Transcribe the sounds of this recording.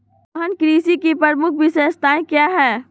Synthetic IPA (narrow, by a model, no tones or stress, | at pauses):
ɦənkɾiːsikipəɾmʊk̚ʰʋɪseːst̪ʰaːẽkjaːɦɛː